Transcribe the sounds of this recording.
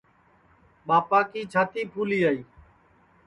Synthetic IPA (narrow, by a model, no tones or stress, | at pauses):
ɓaːpaːkiːt͡ʃʰaːt̪iːpʰuːliːaːiː